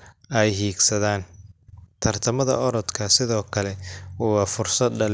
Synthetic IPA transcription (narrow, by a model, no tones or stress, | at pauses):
ʔɛjɦiːɡsɐðaːnt̪ʰɐrt̪ʰɐmɐðɐ̰ʔɔɾɔd̪kʰɐsɪðɔːkʰɐlɛwɑːfʊrsɐd̪ɐl